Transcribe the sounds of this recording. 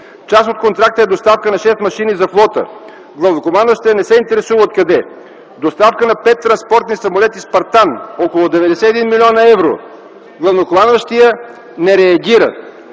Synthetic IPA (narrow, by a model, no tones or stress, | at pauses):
t͡ʃasot̪̚kont̪ɾak̚t̪əɛd̪ost̪afkənɐʃɛst̪mɐʃinizɐflˠɔt̪ə̰ | ɡlˠɐvnokomanvəʃt̪ijənɛsɛint̪ɛɾɛsuvəot̪̚kɐd̪ɛ | d̪ost̪afkənɐpɛt̪ːɾɐnspɔɾt̪nisɐmolɛt̪ispɐɾt̪anɔkolˠod̪ɛvɛd̪ɛsɛɛd̪inmilʲiɔnəɛvɾo̰ | ɡlˠɐvnokomanvəʃt̪ijə | nɛɾɛɐɡʲiɾə̰t̪